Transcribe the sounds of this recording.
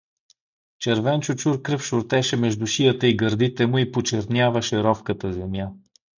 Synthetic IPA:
t͡ʃɛɾvɛnt͡ʃʊt͡ʃuɾkɾɤfʃʊɾt̪ɛʃɛmɛʒd̪ʊʃijət̪əiɡəɾd̪it̪ɛmʊipot͡ʃɛɾt̪nʲjavɐʃɛɾɔfkət̪əzɛmja

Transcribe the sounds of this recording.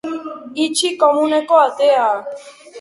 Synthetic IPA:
it͡ʃʰikɔmũnɛkɔat̪ea

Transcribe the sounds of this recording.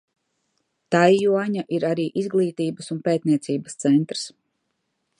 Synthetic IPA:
t̪ajːuɔɲaʔiɾaɾiːʔizɡlˠiːt̪iːbəsunpeːt̪̚niɛt̪siːbəst̪sɛnt̪ɾs

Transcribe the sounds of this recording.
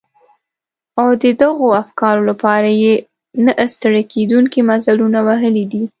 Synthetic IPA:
awd̪əd̪aɣoafkɑɾolapɑɾaje | naʔəst̪əɽaked̪uŋkimazalunawaɦəlid̪i

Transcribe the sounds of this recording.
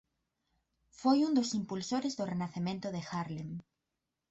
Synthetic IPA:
fojũnd̪osimpulsoɾezðorenaθemẽnt̪ʊðexaɾleŋ

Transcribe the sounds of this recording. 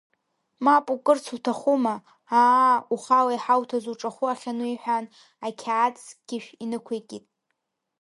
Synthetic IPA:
mapʼukʼɨrt͡sʰutʰaχuma | aːuχalaiħawtʰazuʈ͡ʂʼaχʷuaχʲanuiħʷᶣan | akʲʰaːt͡sʰʼɡ̥ʲɪʃᶣinɨkʷʰekʲʼitʼ

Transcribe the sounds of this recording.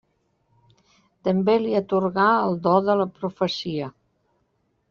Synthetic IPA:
t̪əmbeliət̪uɾɣaəlˠd̪ɔðələpɾufəsiə

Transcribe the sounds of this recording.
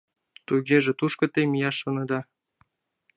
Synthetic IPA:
t̪uɣʲeʒĕt̪uʃkɤ̆t̪ejmijɑʃŏnɤ̆d̪ɑ

